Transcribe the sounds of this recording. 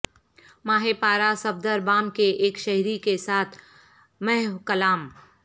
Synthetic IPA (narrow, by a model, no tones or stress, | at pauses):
maːɦepaːɾasɐbd̪əɾbaːmkeʔeːkʃɐɦɾikesaːt̪ʰ | mɛɦkɐlaːm